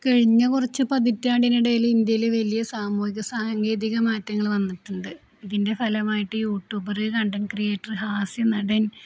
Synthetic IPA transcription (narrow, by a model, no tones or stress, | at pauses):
kɐɻiɲːɐkurɐt͡ɕːɨpɐðitːaːɖinuɽejilind̪jɐjileʋɐlijɐsaːmuːhikʲːɐsaːŋɡe̞ːðiɣɐmaːtːjɐŋːɐɭʋɐnːiʈːuɳɖɨ | iðinde̞fɐlɐmaːjiʈːɨjuːʈːjuːbɐrɨkɐɳɖɐnkrijeːʈːɐrɦaːsjɐnɐɖɐn